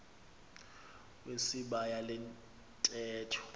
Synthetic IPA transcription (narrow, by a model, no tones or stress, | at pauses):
wesiɓajalɛn | tʼɛːtʰɔ̥